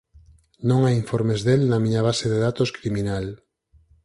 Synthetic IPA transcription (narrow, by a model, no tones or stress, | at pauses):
nõŋajiɱfoɾmezðelnamĩɲaβ̞aseðeðat̪oskɾimĩnal